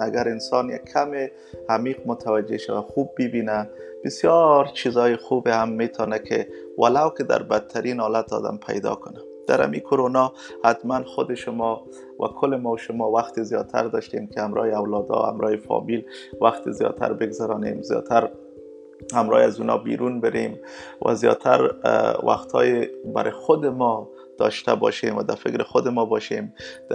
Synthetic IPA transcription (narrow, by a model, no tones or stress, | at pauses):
aɡaɾɪnsɒnjakʰːamɪ | amiqmʊt̪ʰawad͡ʒeʃawaxub̚ːɪbina | b̥ɪsjɔɾt͡ʃʰizɒjɪxubɪhamːet̪ʰɔnakʰɪ | walawkɪd̪a̰ɾbat̪ʰːaɾinhɑlat̪ɒ̰d̪a̰mpʰa̰jd̪ɔ̰kʊna | d̪̥a̰ɾa̰mikʰʊɾonɒ | hat̪manxʊd̪ɪʃʊmɔ | wa̰kʰʊlɪmɔʃʊmɒwaxt̪ɪzjɒt̪ʰa̰ɾd̪ɒʃt̪emkɪamɾɔjeawlɒd̪ɒ̰a̰mɾɔefɔ̰milwaxt̪ɪzjɒ̰t̪ʰa̰ɾbɪɡzaɾɔnemzjɒ̰t̪ʰaɾ | hamɾɔ̰jazunɒ̰bḭɾunbɪɾem | wʔa̰zjɒ̰t̪ʰaɾwa̰xt̪ʰɔ̰jebaɾʔɪxʊd̪ɪmɔ | d̪̥ɒʃt̪abɒʃemwad̪afɪkɾɪxʊd̪ɪmɔbɒʃemd̪